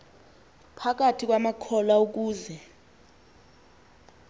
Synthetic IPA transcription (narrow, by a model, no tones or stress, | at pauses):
pʰak̬atʰik̬ʼwamakʰɔlauk̬uːzɛ